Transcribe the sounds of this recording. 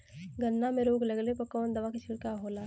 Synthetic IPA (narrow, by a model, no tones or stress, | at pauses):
ɡənːamẽɾoːɡləɡlepəkɔːnd̪ɐʋakiʃʰɪɽkaɦoːlaː